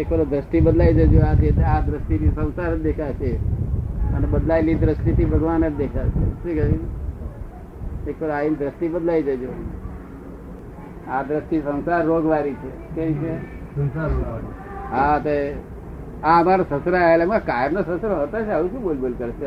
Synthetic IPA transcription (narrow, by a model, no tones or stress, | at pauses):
ekʋəɾod̪ɾəsʈ̪ibəd̪laid͡ʒəd͡ʒoat̪iet̪ead̪ɾəsʈ̪inisə̃w̃saɾd̪ekʰat͡ʃʰe | ənebəd̪lajlid̪ɾəsʈ̪it̪ʰibʱəɡʋanəd͡ʒd̪ekʰat͡ʃʰḛsikəi | ekʋəɾaind̪ɾəsʈ̪ibəd̪laid͡ʒəd͡ʒo | ad̪ɾəsʈ̪isə̃w̃saɾːoɡʋaɾit͡ʃʰe | keʋit͡ʃʰesəsaɾ | ɦãt̪e | aəmaɾosəsɾaaelamakajəɾnosəsɾoɦət̪at͡ʃʰeəʋũʃũbolbolkəɾt͡ʃʰe